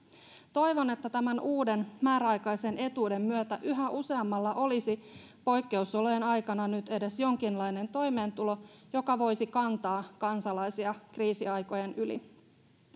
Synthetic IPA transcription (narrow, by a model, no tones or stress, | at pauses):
t̪o̞jʋo̞ne̞t̪ːæt̪æmænʔuːde̞nmæːɾæɑjkɑjsenʔe̞t̪uːde̞mːyøt̪æʔyɦæʔuse̞ɑmːɑlːɑʔo̞lisi | po̞jkːe̞usoloenɑjkɑnɑnyt̪e̞de̞sjo̞ŋkinlɑjne̞nt̪o̞jme̞ːnt̪ulo̞jo̞kɑʋo̞jsikɑnt̪ɑːkɑnsɑlɑjsiɑkriːsiɑjko̞je̞nylḭ